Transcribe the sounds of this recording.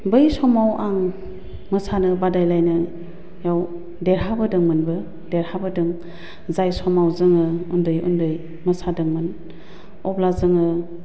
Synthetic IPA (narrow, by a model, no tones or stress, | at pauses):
bɯjsɔmawʔaŋ | mɐsanɯbadajlajnɯ | jaw | deɾɦabɯdɯŋmɯnbɯ | deɾhabɯdɯŋ | zajsɔmawzɯŋɯundɯjṵndɯj | mɐsadɯŋmɯn | ɔblazɯŋɯ